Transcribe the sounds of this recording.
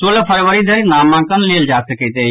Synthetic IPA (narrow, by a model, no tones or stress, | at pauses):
soːləpʰəɾʋəɾid̪ʱəɾnaːmːãkənleːld͡ʒaːsəket̪e